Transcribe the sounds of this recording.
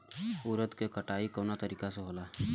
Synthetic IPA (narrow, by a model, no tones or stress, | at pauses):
ʊːɾət̪kekəʈaːikoːnat̪əɾiːkaseɦoːlaː